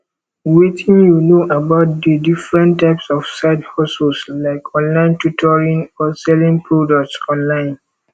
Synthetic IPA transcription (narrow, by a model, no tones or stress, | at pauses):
wetʰĩnjunoʔabaʊt̚d̪ədifɹɛ̃ntːaɪpsɔfsaɪdhɔsulslaɪkɔ̃nlãɪ̃ntutʰɔɹĩnɔsɛlĩŋpʰɹodɔk̚tsɔ̃nlãɪ̃n